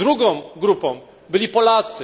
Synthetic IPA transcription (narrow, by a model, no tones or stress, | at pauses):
ɾuɡɔ̃w̃ɡɾupɔ̃w̃ | bɘlʲipɔlat̪sɘ